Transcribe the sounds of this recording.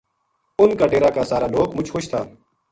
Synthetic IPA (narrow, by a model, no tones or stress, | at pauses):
ʊnkaːʈeːɾaːkaːsaːɾaːloːkmʊt͡ʃxʊʃt̪ʰaː